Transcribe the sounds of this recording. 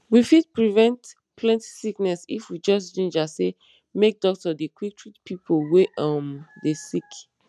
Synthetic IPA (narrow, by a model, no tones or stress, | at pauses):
wifid̚pɹivɛ̃nt | pʰlɛ̃nti̥siknɛsḭfwid͡ʒɔs̬d͡ʒĩnd͡ʒase | mek̚dɔk̚tɔdekwik̚tʰɹitpʰipolweʔʌmdesik